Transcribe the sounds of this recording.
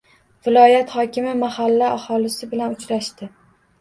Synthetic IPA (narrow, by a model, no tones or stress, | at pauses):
vɪlɒjat̪hɒkʲɪmɪmahalːaahɒlɪsɪbɪlanʊt͡ʃɾaʃt̪ɪ